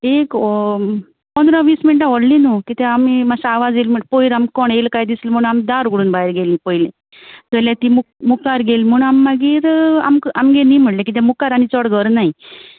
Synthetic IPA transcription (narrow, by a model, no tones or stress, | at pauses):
ek | pənd̪ʱɾãʋiːsmiɳʈãʋɔɽlinukit̪ɛamimasaaʋad͡zelməʈpoiɾamkɔɳelkajd̪islm̤əɳamd̪aɾɡuɽuːnbaeɾɡelĩpojlẽ | d͡z̪əlat̪imukmukaɾɡelm̤uːɳamːaɡiːɾa̰mkamɡeliːm̤əɽlek̬it̪̬ɛmukaɾañit͡sɔɽɡəɾnaɦi